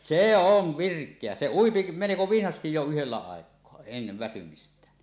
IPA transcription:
seˑ oʋ ʋirkˑeæ se uipi meleko ʋinhɑstij jo yhelːæ ɑˑekˑoɑ enːeʋ ʋæsymistˑæːn

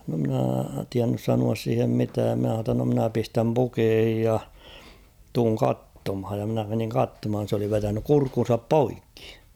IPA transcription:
no mɪ̆næˑ tiænːys sɑnuɑs siːhem mitæːm min̞æ h̞ɑː tːɑ no mɪ̆næ pistæm pukeːhij jɑ tuːŋ kɑtːomhɑj jɑ mĭnæ meniŋ kɑtːomhɑn̞ s oli ʋetænyk kurkːun̞sɑp poikːi̥

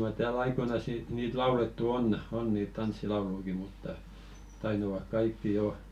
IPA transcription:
mɑr tæːl ɑikoinɑs ni niːt lɑuletːu on on niːt tɑnsːilɑuluiki mutːɑ tɑitɑʋɑk kɑikːi jo

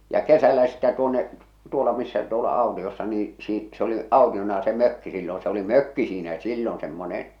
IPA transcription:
jɑ kesælːæ sitːæ tuonːe tuolɑ misːæ tuolɑ ɑˑu̞tiosːɑ niː siː s oli ɑˑutionɑ se møkːi silːõː se oli møkːi siːnæ silːon semːone

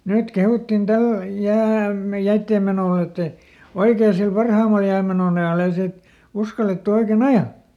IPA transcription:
nyt kehutːin tæl jæːm jæitːeːm menoˑ etːɛ oikeː sil pɑrhɑˑmɑl jæːmenon ɑjɑˑl ei siːt uskɑletːu oiken ɑjɑ

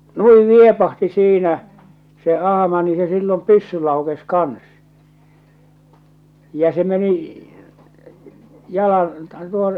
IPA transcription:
nui niepɑhti siːnæ se ɑhɑmɑ ni se silːom pysːy lɑukes kɑns jɑ se meni jɑlɑn tuon

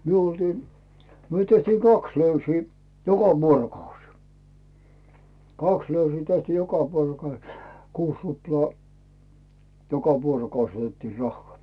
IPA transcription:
myø oltiː myø tehtiː kɑks løysiː jokɑ ʋuorokɑus kɑks løysiː tehtiː jokɑ ʋuorokɑus kuːs ruplɑː jokɑ ʋuorokɑus otetːiː rɑhːŏɑˑ

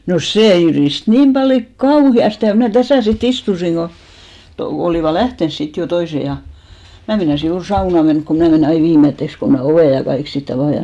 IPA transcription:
no seː jyriˑst niːm b̥ɑljo kɑuhiɑste jɑ mnæˑ tæsæˑ sit istusiŋ ɡ̊o to oliˑʋɑ læhtens sit jo toise jɑ mæ meinɑsi juːr sɑunɑ menk ko mnæˑ meneˑ ɑi ʋiːmetːeks ko mæ oʋeˑ jɑ kɑik sit ɑʋɑˑ jɑ

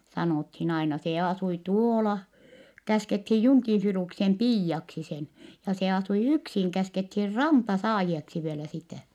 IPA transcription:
sɑnoˑthin ɑinɑ se ɑsui tuoːlɑ kæskethij juŋkin̞ filuksem piːjːɑksi sen jɑ se ɑsui yksiŋ kæskethir rɑmpɑsɑːjieksi ʋielæ sitæˑ

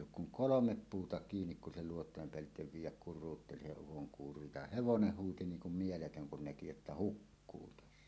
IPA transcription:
oːk kuŋ kolomep puːtɑ kiːnik kun se luotˑoˑem peælːiteʋ ʋiːjˑæk kurˑuːtːeli se ukoŋkuːro jɑ heʋonen huːti niːŋ kum mieletøŋ kun næki etːæ hukːuː tæsːæ

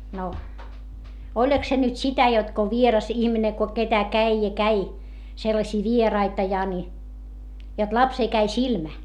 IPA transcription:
no olʲɑ̆k se nyt sitæ jot ko ʋierɑs ihmine ko ketæ kæi jɑ kæi selːɑsʲiː ʋierɑitɑ jɑ ni jot lɑpseː kæi silmæ

